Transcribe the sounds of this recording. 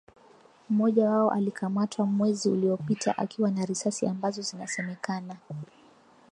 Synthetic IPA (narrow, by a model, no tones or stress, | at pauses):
m̩mɔʄawaɔʔalikʰamatʰwamwɛziṵliɔpitʰa̰ʔa̰kʰiwanaɾisasiambazɔzinasɛmɛkana